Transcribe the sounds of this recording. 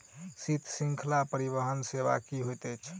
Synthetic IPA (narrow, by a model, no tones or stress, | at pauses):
sit̪ʰsĩŋkʰlapəɾiβəɦənseβa̰kiɦojt̪ət͡ʃʰ